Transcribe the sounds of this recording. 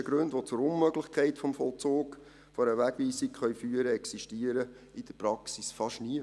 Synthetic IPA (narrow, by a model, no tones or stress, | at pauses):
əɡ̥ɾɵndʋot͡sʊɾʊnmœɡlɪχkʰɛɪtfɔmfɔlt͡soːk | fɔɾəʋæɡ̥ʋiːsikχœɥfyːəɾəɛksiʃtiəɾə | id̥əɾpɾɑksisfɑʃniə